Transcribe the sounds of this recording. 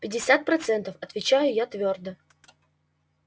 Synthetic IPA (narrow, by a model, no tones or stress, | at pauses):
pʲɪdʲːɪsʲat̪̚pɾɐt̪sɛnt̪əfɐt̪vʲɪt͡ɕajʊjat̪vʲord̪ə